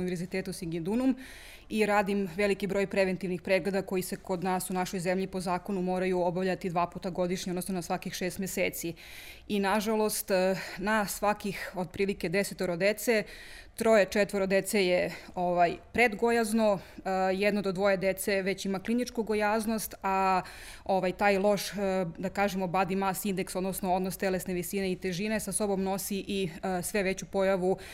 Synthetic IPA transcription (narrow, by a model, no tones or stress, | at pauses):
niʋeɾzit̪eːt̪usiɡid̪unum | iɾaːd̪imʋelikibɾoːjpɾe̞ʋent̪iʋnixpɾeɡle̞d̪ako̞jiseko̞d̪naːsunaʃojzemʎipo̞zaːko̞numo̞ːɾajuobavʎat̪id̪ʋaːpuːt̪aɡo̞d̪iʃɲonosnonasʋakixʃeːst̪mjeseːt̪si | inaʒalo̞st̪nasʋakixo̞d̪̚pɾiːlike̞d̪eset̪oɾod̪et̪se | t̪ɾo̞jet͡ʃet̪ʋoɾod̪et̪sejeoʋajpɾed̪ɡojaznojɛd̪nod̪od̪ʋo̞jed̪et̪se̞ʋe̞t͡ɕimaklinit͡ʂkuɡo̞jaːznost̪a | oʋajt̪aːjlˠo̞ʃd̪akaːʒemobad̪imasind̪eksod̪nosnoo̞d̪nost̪elesneʋisineit̪eʒine̞saso̞bomno̞siʔisʋe̞ʋet͡ɕupo̞jaʋu